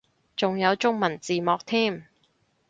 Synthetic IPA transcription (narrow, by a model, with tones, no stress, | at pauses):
t͡sʊ˨ŋjɐ˨˧wt͡sʊ˥ŋmɐ˨˩nt͡siː˨mɔː˨˧k̚t̪ʰiː˥˩m